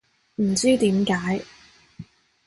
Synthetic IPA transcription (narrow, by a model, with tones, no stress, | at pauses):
m̩˨˩t͡syː˥t̪iː˨˥mkaː˨˥j